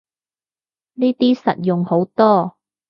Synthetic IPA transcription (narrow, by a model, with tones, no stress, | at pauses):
niː˥t̪iː˥sɐ̰˨t̚jʊ˨ŋho˨˥wt̪ɔː˥